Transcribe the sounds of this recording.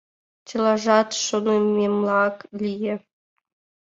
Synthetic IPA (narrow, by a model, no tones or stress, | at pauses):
t͡ɕə̆lɑʒɑt̪ʃonomemlɑklʲijĕ